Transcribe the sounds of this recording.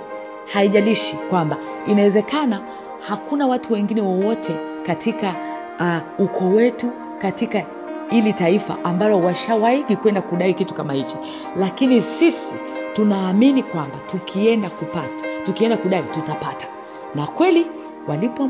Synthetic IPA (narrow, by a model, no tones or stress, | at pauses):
haiʄaliʃikwamba | inawɛzɛkana | hakunawatuwɛŋɡinɛwɔwɔtʰɛ | katika | ukʰɔwɛtu | katika | hilitaifa̰ʔambalɔwaʃawaiɠikwɛndakuɗaikitu̥kamahit͡ʃɔ | lakinisisitunaːminikwambatukʰiɛndakupattukiɛndakuɗaitutapatḁ | nakwɛli | walipɔ